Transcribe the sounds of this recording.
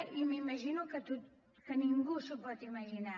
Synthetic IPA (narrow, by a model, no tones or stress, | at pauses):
imimɐʒinukɐt̪u | kɐnĩŋɡuʃopɔt̪imɐʒina